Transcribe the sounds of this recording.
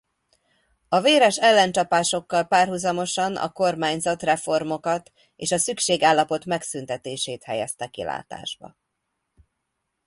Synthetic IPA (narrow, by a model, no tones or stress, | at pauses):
ɒveːɾɛʃɛlːɛnt͡ʃɒpaːʃo̞kːɒlpaːrɦuzɒmo̞ʃɒnɒ̰ko̞rmaːɲzɒt̪rɛfo̞rmo̞kɒt̪ | ḛːʃɒsykʃeːɡaːlːɒpo̞t̪mɛksynt̪ɛt̪eːʃeːt̪hɛjɛst̪ɛkḭla̰ːt̪a̰ːʒbɒ̰